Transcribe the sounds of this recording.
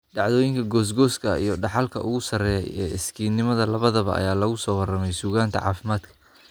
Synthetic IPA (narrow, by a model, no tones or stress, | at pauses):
ɖɑʕðɔːjɪŋkʰɐɡɔːs̬ɡɔːskʰɐḭjɞɖɑħɑlkʰɐʔʊɣʊsɐrɛjɛ̰jɛːɪskʰiːnːɪmɐðɐlɐβɐðɐβɐ̰ʔɐ̰jaːlɐɣʊsɔːwɐrɐmɛjsuːɣaːnt̪ʰɐ̰ʕɑ̰ːfɪmaːd̪kʰɐ̥